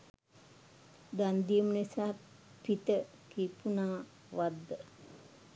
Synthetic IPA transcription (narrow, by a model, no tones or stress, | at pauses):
d̪and̪ijəmənisaː | pit̪ə | kipunaː | ʋad̪ːə